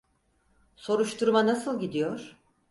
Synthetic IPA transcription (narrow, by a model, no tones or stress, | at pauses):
so̞ɾuʃt̪ʰuɾmanasɯlˠɟid̪ijo̞ɾ̥